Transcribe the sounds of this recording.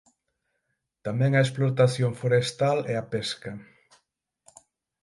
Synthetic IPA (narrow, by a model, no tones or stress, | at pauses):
t̪amɛ̃ŋɐesploɾt̪aθjoŋfoɾest̪alɛapɛskɐ